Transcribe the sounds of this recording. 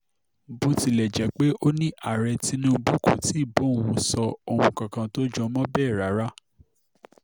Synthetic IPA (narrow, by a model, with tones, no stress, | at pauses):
bu˧˦ti˧lɛ˨d͡ʒɛ˨˦k͡pe˦ʔo˦nĩ˦ʔa˦˨ɾɛ˧ti˦nũ˦bu˦ko˨ti˨˦i˦˨bõ˨˦˨wũ˧sɔ˧o˧hũ˧kã˨kã˧to˦d͡ʒɔ̃˧˦mɔ̃˦bɛː˦˨ɾa˨˦ɾa˦